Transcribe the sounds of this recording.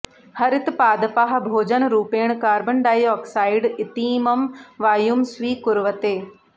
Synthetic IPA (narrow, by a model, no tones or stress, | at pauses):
hɐɾɪt̪paːd̪paɦɐbʱoːd͡ʒənɾuːpeːɳ̃kaːɾbɐnɖaːjɔːksaːɪɖɪt̪iːmɐmʋaːjumsʋiːkʊɾʋət̪eː